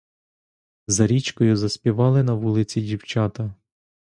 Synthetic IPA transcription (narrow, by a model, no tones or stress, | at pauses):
zɐɾʲit͡ʃkɔjʊzɐspʲiʋɑlˠɪnɐʋulˠɪt͡sʲidʲiwt͡ʃɑt̪ɐ